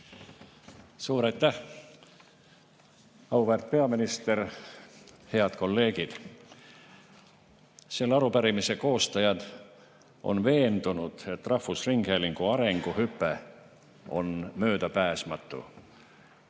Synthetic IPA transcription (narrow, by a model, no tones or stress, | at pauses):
suːɾɑjt̪ˑːæh | ɑwvert̪̚pe̞ɑminist̪e̞r | he̞ɑd̪̥ko̞lːe̞ːɡ̥id̪̥ | se̞lːɑɾupæɾimise̞ko̞ːst̪ɑjɑd̪̥ | ʔo̞̰nve̞ːnd̪unud̪̥e̞t̪ːrɑhfusriŋɡ̥heliŋɡ̥uɑɾeŋɡ̥uhypːˑe | o̞̰nmø̞ːd̪æpæːsmɑt̪ːˑṵ